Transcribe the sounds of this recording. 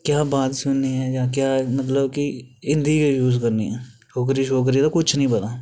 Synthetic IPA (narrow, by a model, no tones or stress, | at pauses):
kjaːbaːt̪sʊnːiːɦɛːjaːkjaːmət̪̬ləbkiɪ̃nd̪iːkeːjuːzkəɾnḭːɦɛːʃʰoːk̬ɾiːʃoːk̬ɾiːd̪aːkʊt͡ʃʰnəĩːpət̪aː